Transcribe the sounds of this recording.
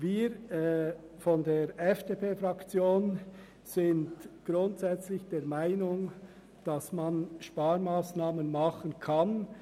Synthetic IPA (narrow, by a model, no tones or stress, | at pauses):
viːɾ | fɔndeːɾʔɛfd̥eːpʰeːfɾʁakt͡sjoːn | z̥ɪndɡ̥ɾʊntzɛt͡slɪçd̥eːɾmaɪnʊŋ | d̥asmanʃpaːɾmaːsnaːmənmɑχənkʰan